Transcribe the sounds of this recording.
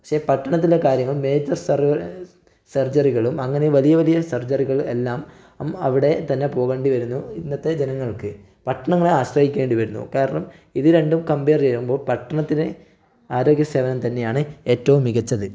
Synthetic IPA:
pɐkʂe̞pɐʈːɐɳɐt̪̬ːilːekaːɾjɐŋːɐɭme̞ːd͡ʑɐrsr | sɐrd͡ʑɐriɣɐɭumɐŋːɐneʋɐlijɐʋɐlijɐsɐrd͡ʑɐriɣɐɭelːaːm | mɐʋiɽe̞t̪ɐnːe̞po̞ːɣe̞ːɳɖiʋɐɾunːuinːɐt̪ːed͡ʑenɐŋːɐɭkɨ | pɐʈːɐɳɐŋːɐɭeaːɕrɐhikʲːʋe̞ːɳɖiʋɐɾunːṵkeːɾɐɳɐm | iðɨɾe̞ɳɖumkɐmbeːrd͡ʑekumbo̞ːɭpɐʈːɐɳɐt̪ːine | aːɾo̞ːɡjɐseːʋɐnɐmt̪ɐnːe̞jaːɳɨe̞ːtːɐʋumːiɣɐt͡ɕːɐðɨ

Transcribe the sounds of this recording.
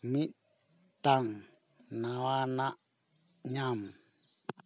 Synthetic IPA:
mi | t̪aŋ | nawanaʔɲam

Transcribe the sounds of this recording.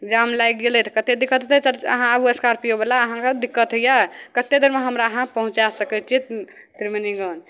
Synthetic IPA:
d͡ʒamlajkɡelɛt̪kət̪ed̪ikət̪t̪ʰɛt͡ʃaə̰ɦãəbueskaɾpijobelaəɦãked̪ikːət̪əjakət̪ːed̪əɾmeɦəmɾaəɦãpəɦũt͡ʃasəkɛt͡ʃʰi | t̪ɾimeniɡon

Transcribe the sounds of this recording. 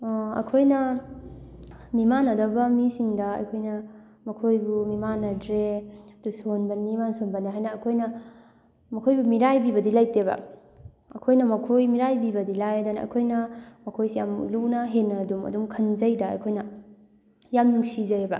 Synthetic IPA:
ɐ̰kʰojnɐ | mimanɐdɐbɐmisiŋdɐɐ̰jkʰojnɐ | mɐkʰojbumimanɐdɾedusonbɐnimansonbɐniɦajnɐːkʰojnɐ | mɐkʰojbumiɾajbibɐdilajtebɐ̰ | ɐkʰojnɐmɐkʰojmiɾajbibɐdilajadanaɐ̰kʰojnɐmɐkʰojsjamlunɐɦenːɐdumɐ̰dumkʰɐnzɐjdɐɐ̰jkʰojnɐ | jamnuŋsizɐjebɐ̰

